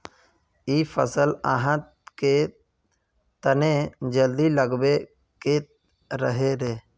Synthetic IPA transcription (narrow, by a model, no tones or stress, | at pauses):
iːpʰəsəla̰ɦãt̪ | ke | t̪ənẽd͡ʒəld̪iləɡbe | ket̪ | ɾəɦeɾeː